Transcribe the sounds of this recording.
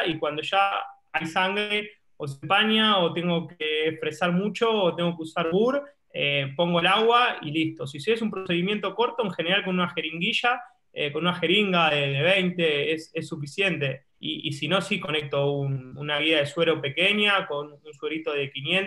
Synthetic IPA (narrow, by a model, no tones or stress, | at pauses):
ikwand̪o̞ʃa | ajsaŋɡɾe | os̬epanjaot̪e̞ŋɡo̞keːfɾe̞saɾmut͡ʃo̞ːt̪e̞ŋɡo̞keusaɾβuɾ | ḛpo̞ŋɡo̞elaɣwailist̪o̞sisiesumpɾose̞ðimje̞nt̪o̞ko̞ɾt̪o̞eŋxe̞ne̞ɾalkonunaxe̞ɾiŋɡiʃa | eko̞nunaxe̞ɾiŋɡaðeðeβ̞ejnt̪e̞esesːufisje̞nt̪e̞ | ḭḭsino̞siko̞nek̚t̪o̞ununaɣiaðeswe̞ɾo̞pe̞keɲjako̞nunswe̞ɾit̪o̞ðe̞kinjẽn